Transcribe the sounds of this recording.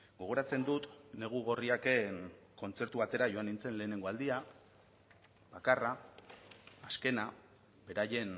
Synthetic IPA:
ɡo̞ɣ̞o̞ɾat͡se̞nd̪ut̪ne̞ɣ̞uɣ̞o̞riake̞n | ko̞nt͡se̞ɾt̪uβat̪e̞ɾaʝo̞anint͡se̞nle̞ːne̞ŋɡo̞ald̪ia | b̥akara | ske̞na | be̞ɾaje̞n

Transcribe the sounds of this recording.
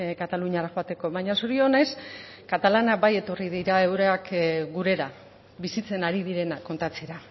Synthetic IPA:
kat̪aluɲiaɾaxoat̪e̞ko̞βaɲasuɾio̞ne̞s | kat̪alanabaje̞t̪o̞riðiɾae̞wɾeakɡuɾe̞ɾa | βisit͡se̞naɾiðiɾe̞nakːo̞nt̪at͡seɾa

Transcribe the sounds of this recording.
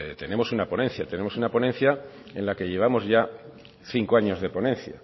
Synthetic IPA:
t̪e̞nẽ̞mo̞sunapo̞nẽ̞n̟θjat̪ene̞mosunaponẽ̞n̟θja | e̞nlake̞ʎe̞β̞amo̞zʝa | θiŋkoaɲo̞zðe̞po̞nẽ̞n̟θja

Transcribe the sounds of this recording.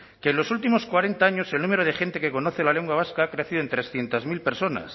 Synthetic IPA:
keːnlo̞sult̪imo̞skwaɾe̞nt̪aaɲo̞se̞lnũmeɾoð̞e̞xe̞nt̪e̞ke̞ko̞no̞θelale̞ŋɡwaβ̞askaakɾeθiðoent̪ɾesθje̞nt̪azmilpeɾso̞na̰s

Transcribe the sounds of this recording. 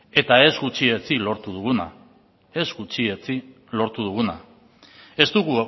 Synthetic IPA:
e̞t̪ae̞zɡut͡ʃie̞t͡silo̞ɾt̪uð̞uɣuna | e̞zɡut͡ʃie̞t͡si | lo̞ɾt̪uðuɣ̞una̰ | e̞st̪uɣu

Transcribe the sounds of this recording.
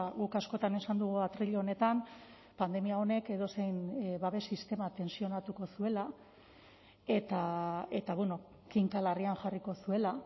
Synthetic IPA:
ɣukasko̞t̪ane̞sand̪uɣ̞uat̪ɾiʎoone̞t̪am | pand̪e̞miao̞ne̞ke̞ðo̞se̞jnβaβe̞sist̪e̞mat̪e̞nsio̞nat̪uko̞sue̞la | e̞t̪ae̞t̪aβweno̞ | kiŋkalarianʝariko̞sue̞la

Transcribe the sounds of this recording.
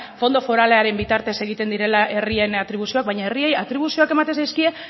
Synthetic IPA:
fo̞nd̪o̞fo̞ɾale̞aɾe̞mbit̪aɾt̪e̞se̞ɣ̞it̪e̞nd̪iɾe̞laʔe̞rie̞nat̪ɾiβ̞usio̞ak̚βajɲaeriejat̪ɾiβ̞usio̞ake̞mat̪esajskie

